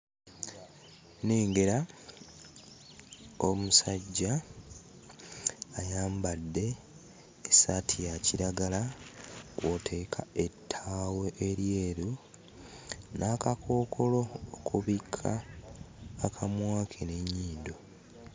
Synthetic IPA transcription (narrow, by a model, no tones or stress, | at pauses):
neːŋɡe̞ɾa | o̞musaɟːa | jaːmbadːe̞ː | satʰijaciɾaɡala | kwotʰe̞ːkʰae̞tʰːaːweʔeɾje̞ːɾu | nʔaːkakʰo̞ːkʰo̞lo̞ːkʰuβikʰːaː | kʰamwaːkʰeneɲːiːndo̞